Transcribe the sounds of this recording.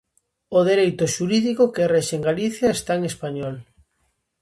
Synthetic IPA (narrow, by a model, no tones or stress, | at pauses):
oðeɾejt̪oʃuɾiðikokereʃeŋɡaliθjaest̪aeŋespaɲɔl